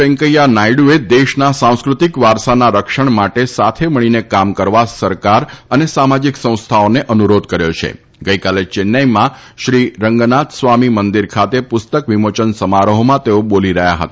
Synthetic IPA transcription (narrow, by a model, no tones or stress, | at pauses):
pɛ̃ŋkəjanajɽued̪eʃnasãw̃skɾut̪ikʋaɾsanaɾəkʃəɳmaʈesat̪ʰeməɽ̃inekamkəɾʋasəɾkaɾənesamad͡ʒiksə̃w̃st̪ʰaoneʔənuɾod̪kəɾjot͡ʃʰḛ | ɡəikalet͡ʃɪnːəjmã | ʃɾiɾəŋɡnat̪sʋamimənd̪iɾkʰat̪epʊst̪əkʋimot͡ʃənsəmaɾəɦomãt̪eoboliɾəɦja̰ɦə̰t̪a